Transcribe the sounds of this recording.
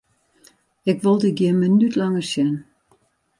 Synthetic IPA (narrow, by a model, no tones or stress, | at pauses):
ɪkʋolˠdəɡjɪnmənytlaŋərsjɛn